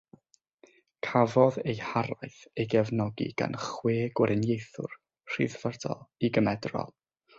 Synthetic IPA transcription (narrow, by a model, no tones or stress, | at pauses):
kʰavɔðejhaɾajθejɡɛvnɔɡḭɡ̥a̰nχweːɡwəɾɪnjejθʊ̰r | r̥ḭðv̥ərdɔ̰lˠiɡəmɛdrɔ̰lˠ